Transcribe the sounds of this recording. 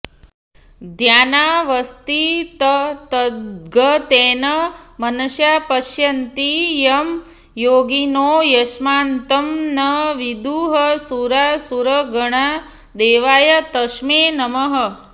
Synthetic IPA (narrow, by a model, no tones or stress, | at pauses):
d̪ʱjaːnaʋɐst̪it̪ɐt̪ɐɡət̪eːnɐmɐnɐʃjaːpɐʃjɐnt̪ijɐm | joːɡinoːjɐsmaːnt̪ɐmnɐʋid̪uɦɐsuɾasuɾəɡɐɳ̃a | d̪eːʋaːjɐt̪ɐʃmeːnɐməɦə